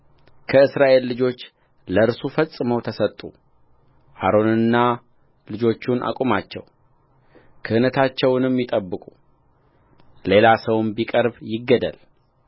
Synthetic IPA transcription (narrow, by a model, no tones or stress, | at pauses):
kʰəɨsɾaʔe̞lːɨd͡ʒo̞t͡ʃː | ləɾsufəsʼɨməwt̪ʰəsət̪ʼːu | ha̰ɾo̞nɨnːa | lɨd͡ʒo̞t͡ʃːunʔa̰kʼumat͡ʃːɛ̰w | kʰəhɨnət̪ʰat͡ʃːɛwnɨmjɪt̪ʼəbːɨkʼu | le̞lasəwnbikʼəɾbjɪɡːəd̪ə̰l